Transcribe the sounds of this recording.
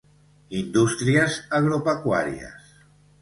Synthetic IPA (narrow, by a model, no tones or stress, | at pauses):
ind̪ust̪ɾiəzaɣɾopəkwa̰ɾiə̰s